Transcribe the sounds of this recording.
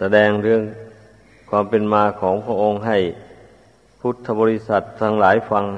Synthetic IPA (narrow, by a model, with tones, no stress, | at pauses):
sa˧dɛː˧ŋɾɯ˧˩əŋ | kʰwaː˧mpe˨nmaː˧kʰɔː˩˦ŋpʰɾa˧ʔo˧ŋɦa˨˩j | pʰu˦˥˩t̪ʰːa˧bɔː˧li˦˧˥sa˨˩t̪ʰːaː˧ŋlaː˩˦jfa˧ŋ